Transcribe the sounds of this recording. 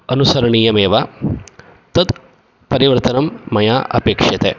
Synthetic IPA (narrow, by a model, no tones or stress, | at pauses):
ɐnusɐɾɐɳiːjɐmeːʋa | t̪ɐd̪ | pɐɾiʋɐɾt̪ɐnɐmːɐjaːʔɐ̰peːkʂɐt̪ḛ